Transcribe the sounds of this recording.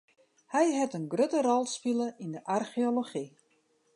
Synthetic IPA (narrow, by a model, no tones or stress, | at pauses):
hɛjɦɛtənɡrøtərɔlˠspiləʔindəʔarxioloχi